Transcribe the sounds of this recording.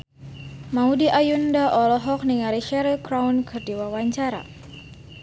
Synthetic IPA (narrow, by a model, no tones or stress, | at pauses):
maudiʔajundaʔɔlɔɦɔk̚niŋaɾiʃɛɾilkɾawnkɨrdiwawaɲt͡ʃaɾa̰